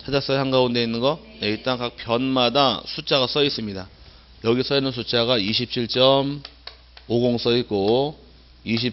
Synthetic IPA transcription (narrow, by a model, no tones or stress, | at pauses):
t͡ɕʰad͡ʑas͈ʌhaŋɡaunde̞inːɯnɡʌ | neiɭt͈aŋkak̚pjʌnmadasʰut͡ɕ͈aɣas͈ʌis͈ɯmɲida | jʌɡisʰʌinːɯnsʰut͡ɕ͈aɡaiɕʰip̚t͡ɕʰiɭt͡ɕ͈ʌm | oɡoŋs͈ʌit̚k͈o | iɕ̬ʰip